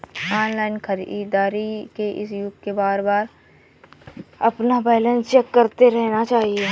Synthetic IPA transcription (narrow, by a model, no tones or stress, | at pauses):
aːnlaːɪnkʰəɾd̪aːɾikeʔɪ̰sjʊkkebaːɾbaːɾ | ɐpnabɛːlə̃nst͡ʃɛːkːɐɾt̪eɾɛɦnat͡ʃaːɦie